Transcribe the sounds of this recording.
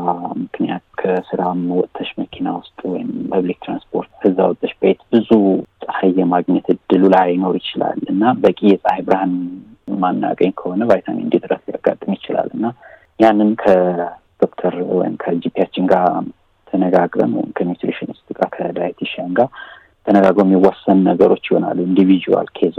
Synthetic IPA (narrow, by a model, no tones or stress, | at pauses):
mɨknijat̪kʰəsɨɾamwɔt̪ʼt̪ʼʰːəʃməkʰinawʊst̪ʼwɔjɪmpʰəβlik̚t̪ʰɾa̰nspʰo̞ɾt̪kʰɨzːa̰wɔt̪ʼːəʃbəjt̪bɨzusʼəhajːɛmaɡɲɛt̪ɨd̪ːɨlulajno̞ɾjɪt͡ʃɪla̰lɨnːabəkʼijɛsʼhajbɾahan | manːa̰ɡʼəɲːkʰəho̞nəβajt̪ʰa̰mḭɨnd̪id̪ɨɾəslija̰ɡa̰t̪ʼːɨmjɪt͡ʃɪla̰lːʔɨnːa | janːɨnkʰəd̪̥o̞kt̪ʰəɾwɔ̰jɪmkʰəd͡ʒipʰijat͡ʃːɪŋɡa | t̪ʰənəɡaɡɾə̰mwɔ̰jɪmkʰəmjut̪ɾeʃɪnɨst̪ʼɨɡakʰəlajt̪ʰiʃaŋɡa | t̪ʰənəɡaɡɾəmjɪwːasːənnəɡəɾo̞t͡ʃːɪho̞na̰lːuind̪ivid͡ʒuwa̰lkʰez